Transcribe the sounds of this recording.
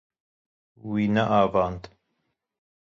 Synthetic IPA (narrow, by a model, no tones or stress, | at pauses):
wiːnɐʔaːvaːnd̪